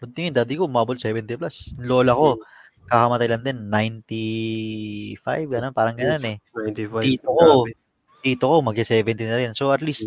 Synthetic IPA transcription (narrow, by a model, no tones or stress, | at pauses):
pʊnt̪ɪŋond̪aːd̪ɪkoʊmaːbolsɛːvɛnt̪iplasloːlɐko̞ | kakɐmɐt̪ajlɐnd̪ɛnːajnt̪i | fa̰jvɡɐnonpaːɾɐŋɡɐnonɛajt̪ifiːt̪oko | t̪iːt̪oko̞mɐɡ̚ɪsɛːvɛnt̪inɐɾɛnso̞ʔɐt̪list̪̚